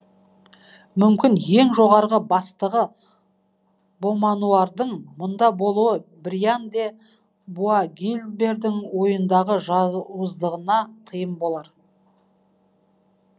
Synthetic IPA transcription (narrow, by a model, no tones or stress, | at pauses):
mʏmkʲɪnje̞ŋʒo̞ʁɑɾʁəbɑst̪əʁə | bo̞mɑnuɑɾd̪əɴmʊnd̪ɑbo̞lˠuəbɾijand̪e̞ | buaɡʲilbe̞ɾd̪ɪŋwo̞jənd̪ɑʁəʒɑwəzd̪əʁənɑt̪ʰəjəmbo̞lˠɑɾ